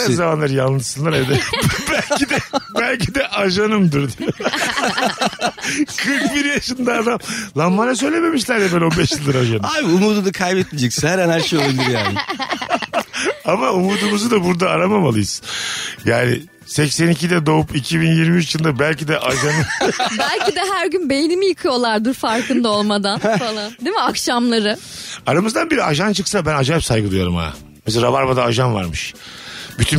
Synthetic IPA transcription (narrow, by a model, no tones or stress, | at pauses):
ɛzamanlˠaɾjanˠnˠɯʃsɯnlˠaɾajd̪ɛbælʲid̪ɛbælʲcʰid̪ɛʔaʒanɯmd̪ɯɾd̪io | kʰɯɾkbiɾjaʃɯnd̪aːd̪amlˠamːanas̬ø̞jlʲeme̞miʃ̬lʲæɾd̪ɛbɛlʲo̞nbɛʃjɯlˠd̪ɯɾaʒanajbiumuːd̪ud̪akʰajbɛt̪̚mid͡ʒɛcsinhæɾɛnhæɾʃejo̞lˠabilʲiɾjaːnɪ | amaumuːd̪umuzud̪abuɾd̪aːɾamamalˠɯjɯsjaːnɪ̰ | sɛcsɛnicʰid̪ɛd̪o̞upicʰibinjiɾmiyt͡ʃjɯlˠd̪abælʲcid̪ɛʔaʒanɯbælʲcid̪ɛɦæɾɟynbejinimijɯkʰɯjo̞lˠaɾd̪ɯɾfaɾkɯnd̪ao̞lˠmad̪anfalˠand̪emiakʃamlˠaɾɯ | aɾamɯzd̪anbiɾiaʒant͡ʃʰɯksabænad͡ʒaːɛpsajɡɯd̪ujo̰ɾṵma̰ | mɛseɾavaɾbad̪aːʒanva̰ɾmɯʃ | byt̪ʰy